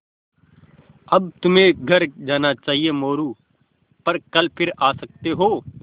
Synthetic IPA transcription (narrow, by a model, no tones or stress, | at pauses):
ɐbt̪ʊmẽɡʱɐɾd͡ʒaːnat͡ʃaːɦiemoːɾu | pɐɾkɐlpʰɪɾaːsɐk̚t̪eɦoː